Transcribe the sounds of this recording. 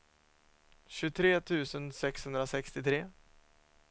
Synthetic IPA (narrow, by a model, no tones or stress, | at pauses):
ɕɵt̪ʰɾeːt̪ʰʉ̟ːsənsɛkshɵnd̪ɾasɛkst̪ɪt̪ʰɾeː